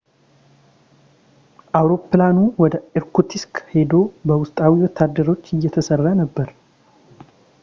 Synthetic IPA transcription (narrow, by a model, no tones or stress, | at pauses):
ʔawɾo̞pːlanuwɔd̪əɛɾkʰut̪ʰiskhed̪o̞bəwʊst̪ʼawiwɔt̪ʰːad̪ːəɾo̞t͡ʃːɨjːɛt̪ʰəsərːanəbːəɾ